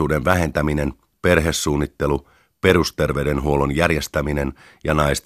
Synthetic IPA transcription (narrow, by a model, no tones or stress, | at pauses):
uːdenʋæɦe̞nt̪æminen | pe̞rɦesːuːnːit̪ːelu | pe̞rust̪e̞rʋeyde̞nɦuo̞lonjærjest̪æminen | jɑnɑjst̪